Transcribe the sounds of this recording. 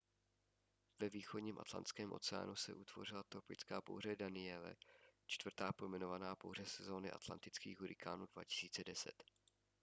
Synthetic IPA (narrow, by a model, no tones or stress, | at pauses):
vɛviːxodɲiːmʔa̰t̪la̰nt̪t͡skɛːmʔo̞̰t͡sɛa̰ːnʔusɛ̰ʔut̪vo̞̰r̝ɪlat̪opɪt͡skaːpo̰wr̝ɛdanɪɛlɛ̰t͡ʃt̪vr̩t̪aːpomɛno̞vanaːpo̰wr̝ɛsɛzo̞ːnɪʔa̰t̪la̰nt̪ɪt͡skḭːɣɦuɾɪkʰaːnuːdva̰cɪ̥siːt͡sɛdɛsɛ̰t̪